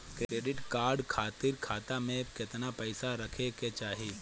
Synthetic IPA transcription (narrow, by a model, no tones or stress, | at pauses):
kɾɾeːɖɪʈkaːɾɖkʰaːt̪ɪɾkʰaːt̪amẽkɪt̪napɛɪsaɾɐkʰeket͡ʃaːɦe